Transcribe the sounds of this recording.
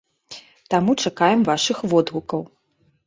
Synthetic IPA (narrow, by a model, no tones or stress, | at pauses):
t̪amut͡ʂakajɛmvaʂɨxvɔd̪ɣukɐw